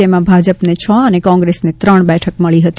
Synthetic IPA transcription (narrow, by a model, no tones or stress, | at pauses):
emãbʱad͡ʒəpnet͡ʃʰə̃ənekɔ̃ŋɡɾesnet̪ɾəɳ̃bɛʈʰəkməɭiɦət̪i